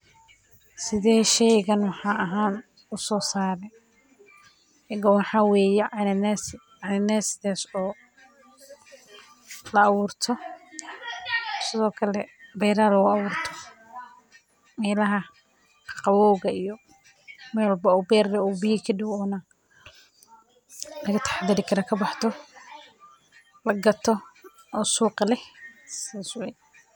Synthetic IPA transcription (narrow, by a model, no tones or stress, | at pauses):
sɪðɛːʃɛjɣɐnwɑħɑːɐɦaːn | ʊsɔːsaːɾɛ | ɛɡɔwɑħɑwɛːjɛnnɛs | anɪnɛːsɪðaːsɔː | lɐːβuːrt̪ʰɔ | sɪðɔːkʰɐlɛbɛjɾalɐɣʊɐβuːrt̪ʰɔ | mɛːlɐɦɐ | qɑwɔːɣɐijɔ | mɛwɑlbɐɔːbɛːrlɛɔːbɪjɪkʰiɖɪwɔːnɐ | lɐɣɐt̪ʰɐ̥ħad̪ɐɾɪkʰɐɾakʰɐbɑħt̪ʰɔ | lɐɡɐt̪ʰɔ | ɔːsuːqɑlɛhsɪðaswɛj